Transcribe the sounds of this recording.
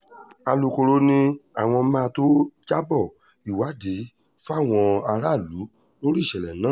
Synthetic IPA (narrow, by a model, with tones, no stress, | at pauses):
a˧lu˨˧ko˧ɾo˧˦nĩ˧a˨w̃ɔ̃˧mãː˦˧to˦d͡ʒa˦bɔ˦˨ | i˨wa˨˦de˨˦ | fa˦˨w̃ɔ̃˧a˧ɾa˦˨lu˨˦ | o˦ɾi˦˨ʃɛ˨lɛ˨nãː˦˨